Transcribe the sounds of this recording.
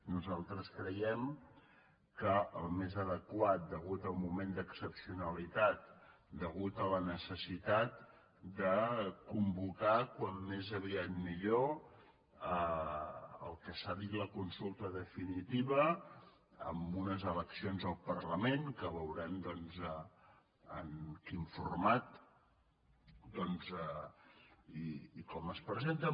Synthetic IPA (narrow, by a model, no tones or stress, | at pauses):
nuzalˠt̪ɾəskɾəjɛm | kəəlˠmezəðəkwat̪̚d̪əɣ̞ut̪əlˠmumend̪əksəpsiunəlit̪at̪̚ | d̪əɣut̪ələnəsəsit̪at̪̚ | d̪əkumbukakwamːezəβiat̪miʎo | ə | ə̰lˠkəsaðit̪ləkunsulˠt̪əðəfinit̪iβə | ə̰mbunəzələksionzəlˠpəɾləmenkəβəwɾand̪ɔnzə | ənkiɱfurmat̪̚ | d̪ɔnzə | iːkɔməspɾəzent̪ə